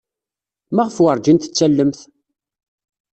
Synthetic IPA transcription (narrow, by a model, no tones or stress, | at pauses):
mæʁəfwəɾˤd͡ʒint̪ə̥t͡sːælːəmθ